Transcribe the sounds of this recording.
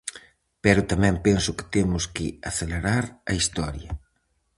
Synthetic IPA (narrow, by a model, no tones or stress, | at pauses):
pɛɾʊt̪amɛ̃mpensʊkɪ̥t̪emʊskɪ̰aθeleɾaɾɐist̪ɔɾjɐ